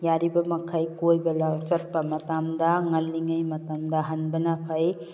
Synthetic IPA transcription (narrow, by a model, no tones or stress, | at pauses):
jaɾibɐmɐkʰajkojbɐlawt͡ʃɐt̚pɐmɐtamdɐŋɐlːiŋajmɐtamdɐɦɐnbɐnapʰaj